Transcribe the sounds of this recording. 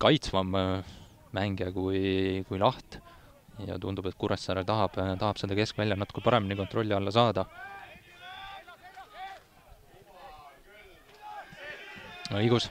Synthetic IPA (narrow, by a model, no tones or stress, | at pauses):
kɑjt̪svɑmː | æŋɡjɑkujkujlɑht̪ | jɑ̰t̪und̪ubet̪̚kuɾesːɑɾet̪ɑɦɑb̥t̪ɑhɦɑb̥se̞d̪ɑke̞skvælʲjɑnɑt̪ːu̥kɑpɑɾe̞miniko̞nt̪ro̞lʲːiɑlːɑsɑːd̪̥ɑ | ɤjɡus